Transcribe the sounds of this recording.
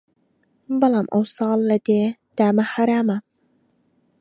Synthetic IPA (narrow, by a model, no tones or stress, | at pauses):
bɑlɑːmʔɑ̰wsˤɑːlːɐd̪eːd̪̥aːmaħaɾaːma